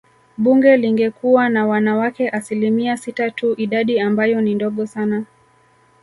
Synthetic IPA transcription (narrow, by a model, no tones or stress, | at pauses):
ɓuŋɡɛliŋɡɛkuwanawanawakɛʔasilimiasitatʰuʔiɗaɗiambajɔnindɔɠɔsana